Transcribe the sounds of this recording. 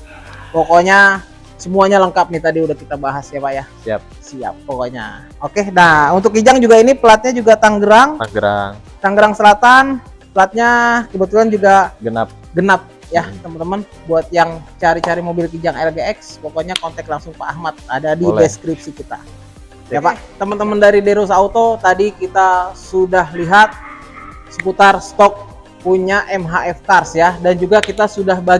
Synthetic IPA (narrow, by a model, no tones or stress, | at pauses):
pokoɲa | səmuaɲaləŋkap̚nit̪adiudahkit̪abaɦasiapaʔjahsa | sia̰pːokoɲa̰ | okenaunt̪ʊkːid͡ʒaŋd͡ʒuɡainipəlat̪̚ɲad͡ʒuɡat̪aŋɡəɾaŋŋɡɾaŋ | t̪aŋɡəɾaŋsəlat̪an | pəlat̪̚ɲakəbət̪uland͡ʒuɡaɡənap̚ | ɡənap̚ | jat̪əmənt̪əmən | buat̪̚jaŋt͡ʃaɾit͡ʃaɾimobɪlkid͡ʒaŋɛlɡeɛkspokoɲakɔnt̪ɛk̚laŋsʊŋpaːhmat̪̚adadibɛskɾip̚sikit̪a̰ | japat̪əmənt̪əməndaɾideɾusaut̪ot̪adikit̪asudahliɦat̪̚ | sə̥put̪arst̪ɔk̚ | puɲaʔɛmɦaʔɛfkarsjadand͡ʒuɡakit̪asudahba